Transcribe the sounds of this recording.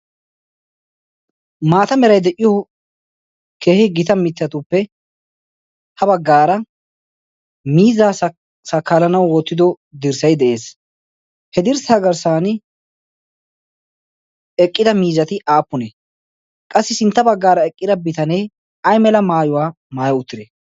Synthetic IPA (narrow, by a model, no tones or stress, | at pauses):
maːt̪ɐmɛɾɐjd̪ɛʔɪjɔ | keːhɪɡɪt̪ɐmɪt͡sːɐt̪ʊpːɛ | hɐbɐɡːaːɾɐ | miːzaː | sɐkːaːlɐnɐwwɔt̪ːɪd̪ɔ | d̪ɪɾsɐjd̪ɛʔe̞ːs | hɛd̪ɪɾsaːɡɐɾsaːnɪ | ɛkʼːɪd̪ɐmiːzɐt̪ɪʔaːpːʊnɛ | kʼɐsːɪsɪnt̪ːɐbɐɡːaːɾɐɛkʼːɪd̪ɐbɪt̪ɐneː | ɐjmɛlɐmaːjʊwaː | maːjɐʊt̪ːɪd̪e